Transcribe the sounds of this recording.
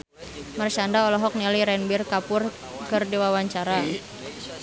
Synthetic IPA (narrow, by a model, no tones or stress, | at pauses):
mart͡ʃandaɔlɔɦɔk̚niliɾɛnbirkapʊr | kɨrdiwawaɲt͡ʃaɾa